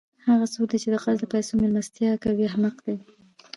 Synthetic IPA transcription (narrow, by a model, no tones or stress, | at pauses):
haɣasokd̪it͡ʃed̪əqazd̪əpajsomelmast̪jɑkawiaɦmaqd̪aj